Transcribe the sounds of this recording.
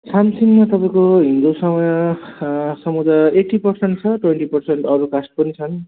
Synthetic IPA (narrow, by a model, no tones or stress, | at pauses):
samsiŋɡmat̪ʌpaĩkoɦind̪usʌmʌjʌ | sʌmud͡z̪aeʈːipʌrseɳʈ̚t͡sʰʌʈweɳʈipʌrseɳʈʌɾukasʈ̚pʌnit͡sʰʌn